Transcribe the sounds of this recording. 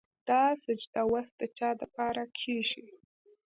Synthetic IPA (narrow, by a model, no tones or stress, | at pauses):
d̪̥ɑsad͡ʒd̪awast̪̚d̪ət͡ʃɑd̪əpɑɾakʰeʒi